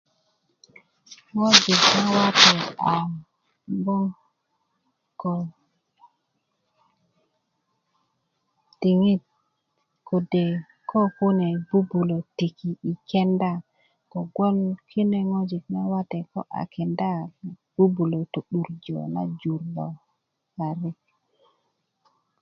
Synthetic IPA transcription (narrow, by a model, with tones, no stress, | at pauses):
ŋo˦d͡ʒi˨kna˦wa˦t̪e˨a˨ | mbo˦ŋ | ko˨ | ti˨ŋi˦t̪̚ | kʰo˨de˨ | kʰo˦ku˦ne˨bu˦bu˨lo˨ti˨ki˨i˨ke˦nda˦˨ | ko˨ɡo˦lkʰi˦ne˦ŋo˦d͡ʒi˨kna˦wa˦t̪e˨ko̰˦ʔa̰˨kʰe˨nda˦˨ | b̥u˦bu˨lo˨to˨ɗu˨ɾd͡ʒo̰˨na̰˦d͡ʒu˨ɾbo˨ | ka˨ɾi˦k